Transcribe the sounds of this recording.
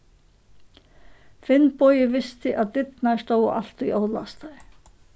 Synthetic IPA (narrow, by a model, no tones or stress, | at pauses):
fɪnːpɔːjɪvɪst̪ɪʔaðt̪ɪt̪nast̪oːwaʔa̰l̥t̪ʏioːwðla̰st̪a